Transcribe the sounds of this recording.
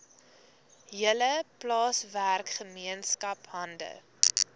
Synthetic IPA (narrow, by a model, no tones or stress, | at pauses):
ɦiələplɑːsværkχəmiənskɐpɦɐndə̰